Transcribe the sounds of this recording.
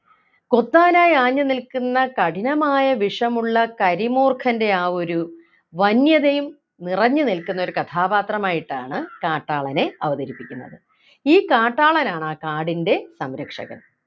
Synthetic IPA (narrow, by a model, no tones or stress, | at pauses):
ko̞t̪ːaːnaːjaːɲːɨnilkunːɐkɐʈinɐmaːjɐʋiʂɐmuɭːɐkɐɾimoːrkʰɐnde̞aːo̞ɾu | ʋɐnjɐðejum | nirɐɲːɨnilkːunːo̞ɾukɐt̪ʰaːbaːt̪rɐmaːjiʈːaːɳɨkaːʈːaːɭɐne̞ɐʋɐðɐɾipːikʲːunːɐ̰ðɨ | iːkaːʈːaːɭɐnaːɳɨaːkaːɽinde̞sɐmɾɐkʂɐ̰ɣɐ̰m